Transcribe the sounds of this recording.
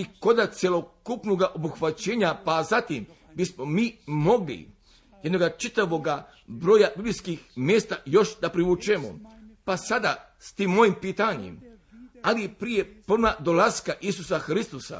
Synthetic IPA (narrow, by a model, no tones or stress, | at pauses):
iko̞d̪at̪sʲje̞lo̞kupnoɡaʔo̞buxʋat͡ɕeːɲapazat̪im | bismo̞miːmo̞ɡlḭ | jed̪no̞ɡat͡ʃit̪aʋo̞ɡa | bɾoːjabiblijskixmjeːst̪ajo̞ʃd̪apɾiʋut͡ʃemo̰pasad̪a | st̪imːo̞jimpiːt̪aɲḛm | alipɾije̞prnad̪olaskaʔis̬usaxɾist̪osa̰